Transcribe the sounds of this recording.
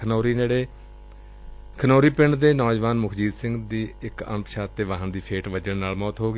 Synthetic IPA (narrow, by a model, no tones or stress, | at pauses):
noːɾiːneːɽeː | kʰənoːɾiːpɪɳɖd̪eːnɔːd͡ʒʋaːnmʊkʰd͡ʒiːd̪sɪ̃ŋɡd̪iːɪkə̰mpʃaːt̪ːeːʋaːɦənd̪iːpʰeːʈʋəd͡ʒəɳnaːlmɔːt̪ɦoːɡ